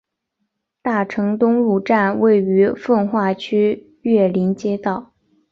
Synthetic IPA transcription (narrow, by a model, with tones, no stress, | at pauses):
t̪a˥˩ʈ͡ʂʰɤ˧˥ŋt̪ʊ˥ŋɻu˥˧ʈ͡ʂa˥˧nwe˥˩ɪy˧˥fə˥˧nxwa˥˩t͡ɕʰy˥ | ɥɛ˥˩li˧˥nt͡ɕjɛ˥t̪ɑ˥˩ʊ